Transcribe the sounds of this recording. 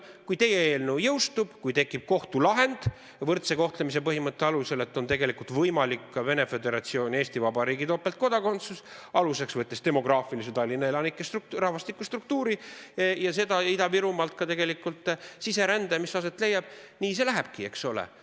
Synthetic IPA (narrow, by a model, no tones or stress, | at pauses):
kujt̪e̞jeeːlnujɤwst̪ub̥kujt̪e̞kˑːip̚ko̞ht̪ulɑɦe̞nd̪̥ | vɤrt̪se̞ko̞ht̪le̞mis̬e̞pɤɦimɤt̪ːe̞ɑluse̞le̞t̪ːˑo̞nt̪e̞ɡe̞likult̪vɤjmɑlikːve̞ne̞fe̞d̪e̞ɾɑt̪sio̞ːnʲe̞ːst̪ivɑbɑɾiːɡit̪opːˑe̞lt̪̚ko̞d̪̥ɑko̞nt̪susɑluse̞ksvɤt̪ːˑest̪e̞mo̞ɡ̥rɑːfiliset̪ɑlʲːinːɑe̞lɑnikːˑest̪rukrɑhvɑst̪ikːˑust̪ruk̚t̪uːɾijɑse̞d̪ɑid̪ɑbiɾumɑlt̪̚kɑt̪e̞ɡe̞likːult̪ˑsise̞ɾænd̪emisɑse̞t̪ˑle̞jːɑb̥̚niːse̞læɦeb̥kie̞kso̞lḛ